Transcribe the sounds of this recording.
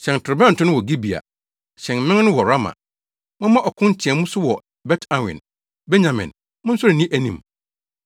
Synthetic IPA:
ɕɛ̃˨n˨tʰʊ˨ɾbɛ̃˦n̩˨tʰʊ̃˦nʊ̃˦wɔ˨ɡi˦bi˨a̰˨ | ɕɛ̃˨nmɪ̃˦ŋ˦nʊ̃˦wɔ˨ɾa˦mã̰˨ | mʊ̃˦mã˦ʔɔ˨kʰʊ̃˦n˦t͡ɕʰɪ˨ɛ̃˨mũ˦sʊ˦wɔ˨ | bɛ˦tʰã˨wɪ̰̃˨n | bɛ˦ɲã˨mɪ̰̃˨n | mʊ̃˦n̩˦sʊ˦ɾɪ˨nĩ˦ʔæ˨nḭ̃˨m

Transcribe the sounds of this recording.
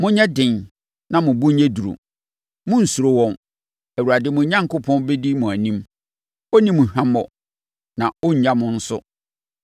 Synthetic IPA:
mʊ̃˦ɲɛ̃˦dɪ̃˨n | nã˨mʊ̃˨bu˦ɲɛ˦du˨ɾṵ˨ | mʊ̃˦n̩˨su˨ɾo˨wɔ̃˨n | æ˨wu˨ɾa˨dɪ˦mʊ̃˨˦ɲã˦ŋkʊ˦pʰɔ̃˦nbe˦di˦mʊ̃˨æ˨nĩ˦m | o˦nĩ˦mʊ̃˨hã˦mɔ˨ | nã˨o˦ɲ̩˨˦ɲã˦mʊ̃˦n̩˦sʊ˦

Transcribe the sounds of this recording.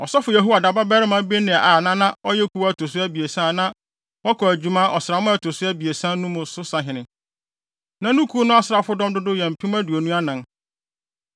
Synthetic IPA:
ɔ˨sɔ˦fʊ˨ja˨ɦu˦a˨da˨ba˦bɛ˦ɾɪ˦mã˦bi˦nɪ̃˨a˨ʔa˨nã˦nã˦ɔ˦jɛ˦kʰu˨˦wæ˦˨tʰo˨s̬ʊ˦æ˦bi˨e˨sã˦˨nã˦ | wɔ˦kʰɔ˨æ˨d͡ʑᶣu˨˦mã˦ʔɔ˨sɪ˨ɾa˨mʊ̃˦æ˨tʰo˨sʊ˦æ˦bi˨e˨sã˦nʊ̃˦mʊ̃˨sʊ˦sã˨ɦɪ̃˨nɪ̃˨ | nã˦nũ˦kʰu˦nʊ̃˦a˦sɪ˨ɾa˨fʊ˦dɔ̃˦mdʊ˦dʊ˦jɛ̃˨m̩˨pʰĩ˦mã˦du˨o˨nũ˦a˦nã˨n

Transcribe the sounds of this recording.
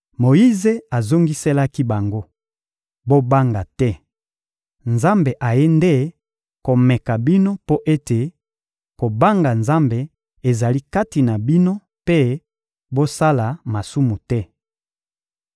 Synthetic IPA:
mo˨ji˦ze˨a˨zo˦ŋɡi˦se˦la˦ki˦ba˨ŋɡo˦ | bo˦ba˦ŋɡa˨tɛ˦ | nza˦mbe˨ʔa˨je˦nde˦ | ko˨mɛ˨ka˨bi˦no˦po˦ʔe˦te˨ | ko˨ba˦ŋɡa˨nza˦mbe˨ | e˨za˨li˦ka˦ti˨na˨bi˦no˦ | pe˦ | bo˦sa˦la˨ma˨su˦mu˨tɛ˦

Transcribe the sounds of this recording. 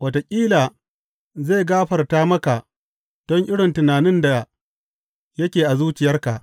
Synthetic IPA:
wɐ˨to˨kʲʼiː˦laː˨ | ze˦˨ɡaː˦ɸɐ˨rtaː˦mɐ˦ka˨ʔ | d̥ɔ˦ŋʔɪ˦ɽɪ˨ntɪ˨naː˨nɪ˦nda˨ | jɐ˦kʲeː˨ʔa˨zuː˦t͡ʃɪ˨jɐ˦rka˨ʔ

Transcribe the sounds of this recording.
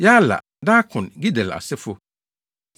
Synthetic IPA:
ja˦la̰˨ | daː˦kʰʊ̃˨nɡi˦dɛ˨la̰˨sɪ˦fʊ˦

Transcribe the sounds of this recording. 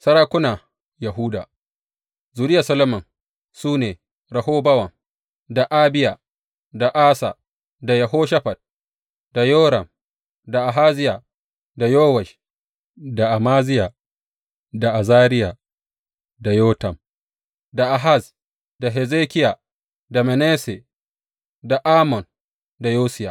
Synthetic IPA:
sɐ˦ɾaː˦kʷʊ˦na˨ | jɐ˨ɦuː˦da̰ː˨ | zuː˨ɾɪ˦ja˨sɐ˦lɐ˦mɐ˨n | suː˦neː˨ | ɾɐ˨hoː˦bɐ˦wɐ˨ŋ | da˨ʔaː˦bɪ˦ja˨ | da˨ʔaː˦sa˨ | da˨jɐ˨ɦoː˦ʃɐ˦ɸa˨d̚ | d̥a˨joː˦ɾɐ˨m | da˨ʔa˨ɦaː˦zɪ˦ja˨ | da˨joː˦wa˨ʃ | da˨ʔa˨maː˦zɪ˦ja˨ | da˨ʔa˨zaː˦ɾɪ˦ja˨ | da˨joː˦tɐ˨m | da˨ʔa˨ɦa˦˨s | da˨ɦɛ˨ze˦kʲɪ˦ja˨ | da˨mɛ˨neː˦se˨ | da˨ʔaː˦mɔ˨n | da˨joː˦sɪ˦ja̰˨

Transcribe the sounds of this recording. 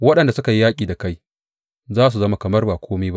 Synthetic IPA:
wɐ˦ɗɐ˨nda˨sʊ˦ka˨ji˦jaː˦kʲʼiː˨da˨ka˦j | zaː˦s̬u˨zɐ˦ma˨kɐ˨mɐ˦rbaː˨kʷoː˦meː˦ba˦ʔ

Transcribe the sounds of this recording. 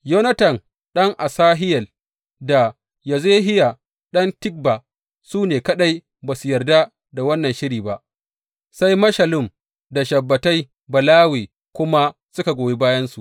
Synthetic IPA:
jo˦nɐ˦tɐ˨n | ɗɐ˦ŋʔa˨saː˦ɦɪ˦jɐ˨l | da˨ | ja˨ze˦ɦɪ˦ja˨ | ɗɐ˦ntɪ˦k̚ba˨ | suː˦neː˨kɐ˦ɗa˦j | baː˨su˨jɐ˨rda˦ | da˨wɐ˦nːɐ˨nʃɪ˦ɾiː˨ba˦ʔ | sa˦jmɐ˦ʃɐ˨lʊ˦m | da˨ʃɐ˨bːɐ˨ta˦j | bɐ˨laː˦weː˨ | kʷʊ˦ma˦ | sʊ˦ka˨ɡʷoː˨je˦baː˦jɐ˦nsu˨ʔ

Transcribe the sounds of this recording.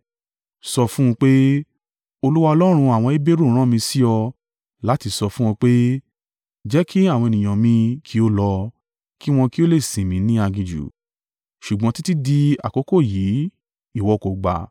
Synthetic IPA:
sɔ˧fũ˦ũ˧k͡pe˦ | o˧lu˦wa˧ɔ˧lɔ˦ɾ̃ũ˧a˨w̃ɔ̃˧i˦be˦ɾo˦˨ɾ̃ã˦mĩ˧si˦ɔ˧ | la˦ti˧sɔ˧fũ˦w̃ɔ̃˧k͡pe˦ | d͡ʒɛ˦ki˦a˦˨wɔ̃˧e˨nĩ˨j̃ã˨mĩ˧kʰi˦o˦lɔ˧ | ki˦w̃ɔ̃˧ki˦o˦le˦˨sĩ˨mĩ˨˦nĩ˦a˧ɡĩ˧d͡ʒṵ˨ | ʃu˨ɡ͡bɔ̃˨˦ti˦ti˦di˧a̰˨ko˨˦ko˦˨ji˨˦ | i˦˨wɔ˨˧˨ko˨ɡ͡ba̰˨

